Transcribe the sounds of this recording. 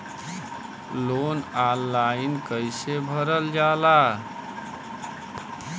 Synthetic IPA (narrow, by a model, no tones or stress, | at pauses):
lonalːainkəjsebʱəɾəld͡ʒala